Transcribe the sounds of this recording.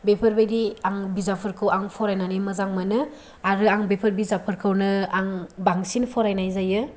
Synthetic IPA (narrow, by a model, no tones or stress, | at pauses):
bepʰəɾbajdiaŋbizapʰɯɾkʰɯwaŋpʰɔɾajnanimɯzaŋmanɯ | aɾɯaŋbepʰəɾbizapʰɯɾkʰɯwnɯaŋbaŋsinpʰɔɾajnajzajɯ